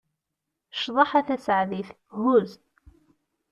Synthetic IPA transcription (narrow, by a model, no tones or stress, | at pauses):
ʃðˤɑħæθæsʕðiθ | hʊz